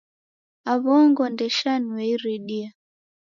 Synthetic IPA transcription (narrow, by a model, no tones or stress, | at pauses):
aβɔŋɡɔndɛʃanwɛiɾiɗia